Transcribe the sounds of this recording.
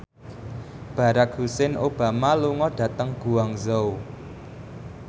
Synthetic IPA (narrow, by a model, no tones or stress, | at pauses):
b̥a̤ɾak̚husɪnʔob̥a̤maluŋɔɖ̥ä̤t̪əŋɡ̥ṳwaŋzou